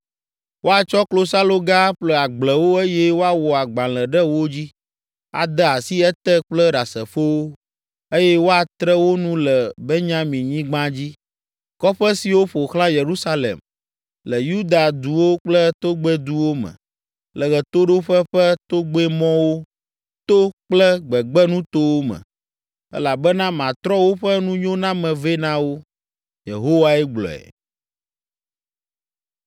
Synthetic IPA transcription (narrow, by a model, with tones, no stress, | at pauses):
wʔo˦a˨t͡ʃɔ˦klo˦sa˦lo˦ɡa˦ɸlə˦a˨ɡ͡blə˨wo˦e˦jɛ˦wo˦a˨wɔ˨a˨ɡ͡bã˨lə˨ɖə˦wo˦d͡ʑi˦ | a̰˨d̪ɛ˦a˨si˦ɛ˦t̪ɛ˦k͡plə˦ɖa˨sə̰˨fo˦wo˦ | e˦jɛ˦wo˦a˨t̪ɾə˦wo˦nũ˦lə˨bɛ˦ɲã˦mĩ˨ɲĩ˦ɡ͡bã˦d͡ʑi˦ | kɔ˦ɸə˦si˨wo˦ɸo˨xlã˦je˨ɾu˦sa˦lḛ˨m | lə˨ju˦d̪a˨d̪u˨wo˦k͡plɛ˦t̪o˦ɡ͡bɛ˦d̪u˦wo˦mɛ̰̃˨ | lɛ˨ɣɛ˨t̪o˦ɖo˦ɸɛ˦ɸɛ˦t̪o˦ɡ͡be˦mɔ̃˦wo˦ | t̪o˦k͡plɛ˦ɡ͡bɛ˨ɡ͡bɛ˦nũ˦t̪o˦wo˦mɛ̰̃˨ | ɛ̰˦la˨bɛ˦nã˦mã˨t̪ɾɔ˦wo˦ɸɛ˦nũ˦ɲõ˦nã˦mɛ̃˨ve˦nã˦wo˦ | jḛ˨ɦo˦wa˦ɛ˦ɡ͡blɔ̰˨ɛ̰˨